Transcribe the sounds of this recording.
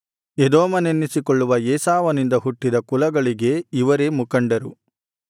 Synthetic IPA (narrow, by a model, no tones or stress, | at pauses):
ed̪oːmɐnenːisikoɭːuʋɐeːsaːʋɐnind̪ɐɦuʈːid̪ɐkulɐɡɐɭiɡe̞iʋɐɾemukɐɳɖɐɾu